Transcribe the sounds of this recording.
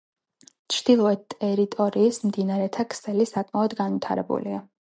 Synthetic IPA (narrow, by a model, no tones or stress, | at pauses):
t͡ʃʰɾd̪̥ilˠɔɛt̪ʼɛɾit̪ʼɔɾiːsmd̪inaɾɛt̪ʰakʰsɛlisakʼmaɔd̪ɡanvit̪ʰa̰ɾɛ̰bṵlḭa